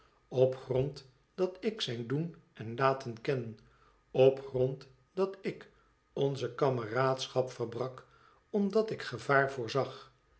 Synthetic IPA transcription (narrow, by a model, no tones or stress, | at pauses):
ɔpχrɔnt | d̥ɑtɪksɛjndunɛnlaːtənkɛnən | ɔpχrɔnt | d̥ɑtɪk | ɔnzəkɑməraːtsχɑpfərbrɑk | ɔmdɑtɪkχəvaːɹvʊːɹzɑχ